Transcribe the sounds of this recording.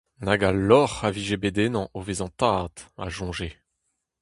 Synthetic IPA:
naɡalɔʁaviʒebed̪enɑ̃ʔovezɑ̃t̪aːd̪a̰ʒɔ̃ʒe

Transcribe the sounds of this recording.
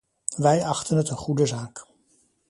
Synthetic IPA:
ʋɛjɑχtənɦətənχudəzaːk

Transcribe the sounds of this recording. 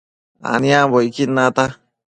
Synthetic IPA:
a̰niabɔikinːat̪a

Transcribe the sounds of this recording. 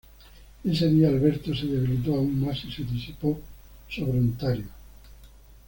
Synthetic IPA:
eseðiaːlβeɾt̪oseðeβ̞ilit̪̬oauŋmasiseðisipo | soβɾeunt̪aɾjo

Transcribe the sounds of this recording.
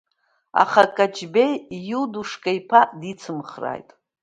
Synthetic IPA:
a̰χakʼad͡ʒbe̞jːuduʂkʼajpʰadit͡sʰɨmχra̰jtʼ

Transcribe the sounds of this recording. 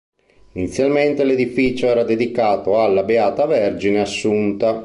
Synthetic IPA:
init̪sːjalment̪eled̪ifiːt͡ʃoɛːɾad̪ed̪ikaːt̪oalːabeaːt̪avɛrd͡ʒineasːunt̪a

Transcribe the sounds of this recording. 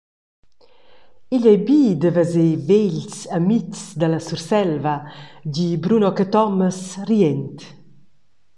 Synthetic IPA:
iʎɛjbiːd̪əvəzeveʎsamit͡st͡sd̪alasursɛlvaɟibɾunɔkət̪ɔməsriɛnt̪

